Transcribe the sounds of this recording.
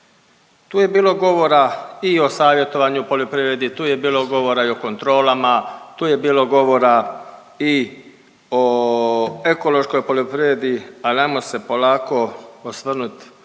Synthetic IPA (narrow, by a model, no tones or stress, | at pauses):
t̪uːje̞biːlo̞ɡo̞ʋo̞ɾaio̞saːʋje̞t̪o̞ʋaɲupolʲjopɾiʋɾe̞d̪it̪uːje̞biːlo̞ɡo̞ʋo̞ɾaio̞kont̪ɾo̞ːlamat̪uːje̞biːlo̞ɡo̞ʋo̞ɾa | i | o | eko̞lo̞ʃkojpolʲjopɾiʋɾed̪ialnamose̞po̞laːko̞osʋrnut̪